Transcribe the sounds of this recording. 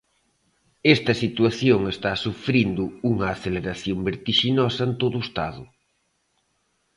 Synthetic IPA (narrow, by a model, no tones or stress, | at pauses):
est̪ɐsit̪uaθjoŋest̪asufɾind̪ʊuŋɐːθeleɾaθjombeɾt̪iʃinɔsɐent̪oðuest̪a̰ðʊ